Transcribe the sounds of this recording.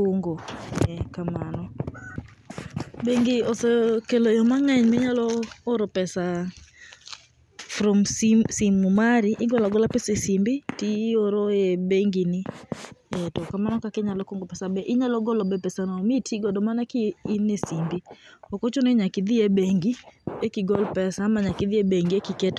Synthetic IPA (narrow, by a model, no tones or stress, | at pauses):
koŋɡoɛkamanɔ | beŋɡɪosɛkelojɔmaŋɛɲmɪɲalɔːɾɔpɛsa | fɾɔmsimumaɾɪʔɪɡɔlaɡɔlapɛsɛsimbɪtiːoɾoebeŋɡinɪ | etɔkamanɔkakɛɲalɔkoŋɡɔpɛsabɛʔɪɲalɔɡɔlɔbɛpɛsanɔmitʰiɡɔdɔmanakɪːnːisimbiokot͡ʃoneɲakɪd̪ɪebeŋɡiekiɡɔlpɛsamaɲakɪd̪ɪebeŋɡiekɪket